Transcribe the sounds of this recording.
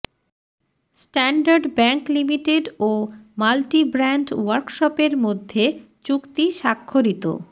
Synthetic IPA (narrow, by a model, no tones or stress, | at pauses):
sʈɛɳɖaɾɖbɛŋklimiʈeɖomalʈibɾaɳɖwaɾkʃɔpeɾmod̪ʱːe | t͡ɕukt̪iʃakʰːoɾit̪o̰